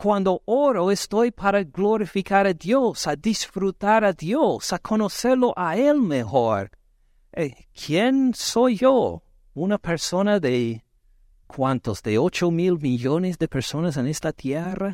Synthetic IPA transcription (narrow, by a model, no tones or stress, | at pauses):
kwand̪ooɾoest̪ojpʰaɾaɡloɾifikaɾadjosadisfɾut̪aɾaðjosakʰonoseɾloʔaelmexoɾ | ekʰjensojːo | unapeɾsonaðe | kʰwant̪ozðeot͡ʃomilmiʎonesðepeɾsonas̬enest̪at̪jera